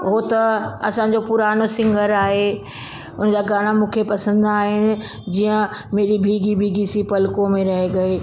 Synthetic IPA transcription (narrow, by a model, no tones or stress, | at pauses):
ɦot̪ɐɐ̰sã̆ːd͡ʑopʊɾaːnosɪ̃ŋɡʱəɾaːɦe | ʊnd͡ʑaːɡaːɽ̃amũːkʰepɐsə̃nd̪aːɦɪnɪ̆ | d͡ʑijə̃meːɾibʱiːɡibʱiːɡisipɐlɪkõmẽɾɐɦeɡɐeː